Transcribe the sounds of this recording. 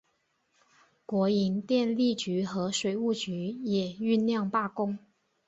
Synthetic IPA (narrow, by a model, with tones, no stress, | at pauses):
kwɔ˧˥i˧˥nt̪jɛ˥˧nli˥˩t͡ɕy˧˥xɤ˧˥ʂwe˨˩ɪu˥˩t͡ɕy˧˥jɛ˨˩y˥˧nljɑ˥˧ŋpa˥˩kʊ˥ŋ